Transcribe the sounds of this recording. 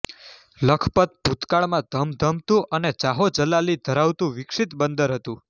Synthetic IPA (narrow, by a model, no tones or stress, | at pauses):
ləkʰpət̪̚b̥ʱut̪kaɭmãd̪ʱəmd̪ʱəmt̪ũʔənet͡ʃaɦot͡ʃəlalid̪ʱəɾaʋt̪ũʋɪkʂit̪bənd̪əɾɦət̪ũ